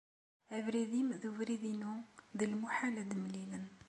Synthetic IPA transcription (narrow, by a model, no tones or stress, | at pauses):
ævɾiðimðuvɾiðinuðilmuħalæd̪mlilən